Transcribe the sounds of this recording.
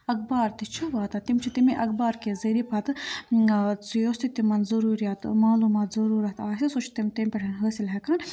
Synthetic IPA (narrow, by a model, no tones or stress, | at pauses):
ɐk̚baːɾt̪it͡ʃʰuʋaːt̪ɐt̪imt͡ʃʰit̪imiʔɐkbaːɾkezɐɾipʰɐt̪ɨ | t͡sjoːst̪it̪imɐnzɐɾuːɾijaːt̪maːluːmaːt̪zɐɾuːɾɐt̪aːsisot͡ʃʰt̪imt̪emʲpʲɐʈʰɐnɦəːsilɦɐkan